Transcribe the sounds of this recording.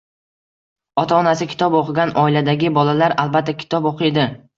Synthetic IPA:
ɒt̪ʰaɒnasɪkʲʰɪ̥t̪ʰɒboqʰɨɡʲanʔɒɪlad̪aɡʲɪbɒlalaɾalˠbat̪ːakʲʰɪ̥t̪ʰɒboqʰɨd̪ɪ

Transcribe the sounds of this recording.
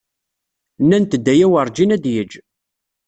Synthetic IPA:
nːænt̪əd̪ːæjæwəɾˤd͡ʒinæd̪jəd͡ʒ

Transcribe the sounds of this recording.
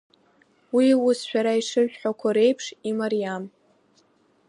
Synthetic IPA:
wiwusʃᶣaɾaiʂɨʒʷᶣħʷakʷʰaɾe̞jpʰʂimaɾijam

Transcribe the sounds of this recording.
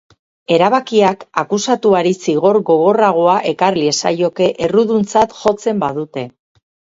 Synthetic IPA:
e̞ɾaβakiakakusat̪uaɾisiɣ̞o̞ɾɣo̞ɣo̞raɣ̞o̞aʔe̞karlie̞sa̰jo̞ke̞ʔe̞ruðunt͡sat̪ʝo̞t͡se̞mbaðut̪e̞

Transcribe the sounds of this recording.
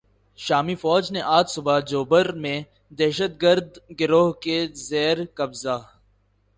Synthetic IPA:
ʃaːmifɔːd͡ʒneʔaːt̪sʊbad͡ʒoːbəɾmẽ | d̪ɛːʃət̪̚ɡəɾd̪ɡɪɾoːɦkezɛːɾkɐbza

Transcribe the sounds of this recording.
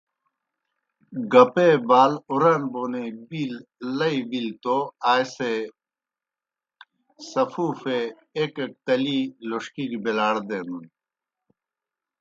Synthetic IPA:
ɡɐpebaːluɾɐnbonebillɐibilt̪oaːjse | sɐfuːfeː | kek̚t̪ɐliloʂkikbelaːɽd̪enun

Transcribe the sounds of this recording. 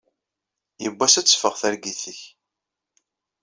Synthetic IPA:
jəbʷːæsæt͡sːfəʁθæɾɡiθəç

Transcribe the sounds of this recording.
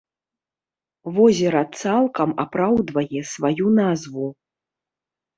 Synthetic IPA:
vɔzʲɛɾɐt̪salˠkɐmapɾawd̪vɐjɛsvajunazvu

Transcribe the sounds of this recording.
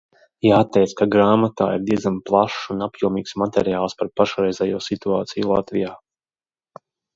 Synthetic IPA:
jaːt̪ːɛjt̪skaɡɾaːmat̪a̰ːḭɾd̪iɛdzamplˠaʃsunapjuɔmiːksmat̪ɛɾijaːlˠspaɾpaʃɾɛjzɛjuɔsit̪uaːt̪sijlˠa̰t̪vijaː

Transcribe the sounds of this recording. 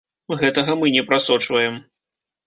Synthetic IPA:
ɣɛt̪ɐɣɐmɨnʲɛpɾasɔt͡ʂvɐjɛm

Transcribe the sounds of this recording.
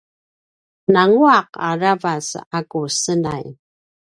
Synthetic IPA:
naŋuaqa̰ravasakusəna̰j

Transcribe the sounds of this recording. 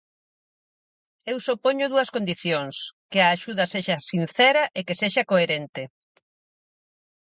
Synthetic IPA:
ewsopoɲʊðuɐskond̪iθjoŋskɪaːʃuðɐseʃɐsin̟θɛɾɐʔekeseʃakoeɾent̪ɪ

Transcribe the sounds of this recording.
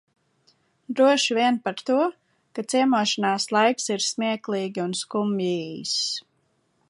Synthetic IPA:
d̪ɾuɔʃvʲiɛnpaɾt̪uɔ | kat̪siɛmuɔʃanaːslˠajksiɾsmiɛklˠiːɡʲiunskumiːjs

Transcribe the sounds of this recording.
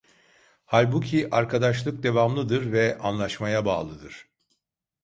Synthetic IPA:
halʲbucʰiʔaɾkʰad̪aʃlˠɯk̚d̪e̞vamlˠɯd̪ɯɾvɛanlˠaʃmajaba̰ːlˠɯd̪ɯɾ̥

